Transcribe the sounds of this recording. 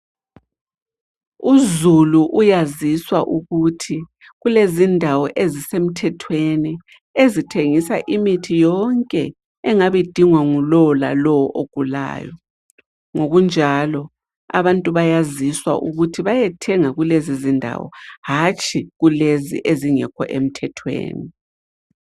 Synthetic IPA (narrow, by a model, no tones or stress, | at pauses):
uzuluʔujaziswaʔuɣutʰi | ɣulezindʱawɔʔezisem̩tʰɛtʰweni | ezitʰeŋisa̰ʔimitʰijɔŋkʼɛ | ɛŋaβed̥ʱiŋwaŋulɔla̰lɔwɔʔoɡ̥ʱula̰ːjɔ | ŋoɣund͡ʒʱalɔ | a̰βantʼuβajaziswa̰ʔuɣutʰiβajɛtʰɛŋaɣulezizindʱa̰wɔ̰hat͡ʃʼʰiɣulezḭʔeziŋɛ̰kʰɔ̰ʔem̩tʰɛtʰwḛːni